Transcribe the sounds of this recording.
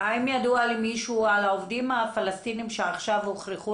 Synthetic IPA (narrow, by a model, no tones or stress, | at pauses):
aimjad̪ualimiʃualaovd̪imafalast̪inimʃeaχʃavoχɾiχu